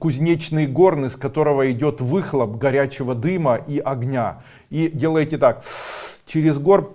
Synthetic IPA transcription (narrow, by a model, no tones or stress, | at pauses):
kʊzʲnʲet͡ɕnɨjɡo̞rnɨskɐt̪o̞ɾəvəɪdʲo̞t̪vɨxlˠəp̚ɡɐɾʲæt͡ɕɪvəd̪ɨməʔiʔɐɡnʲa | idʲe̞lˠəjtʲɪt̪akt͡ɕɪɾʲɪzɡo̞r